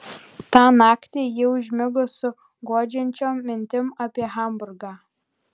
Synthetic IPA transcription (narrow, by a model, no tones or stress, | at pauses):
t̪ɑːnɑːkt̪ʲeːjiʊʒʲmʲɪɡʊsʊ | ɡoɔd͡ʒʲɛnʲt͡ʃʲoːmːʲɪnʲt̪ʲɪmɑpʲiɛɣɐˑmbʊɾɡɑː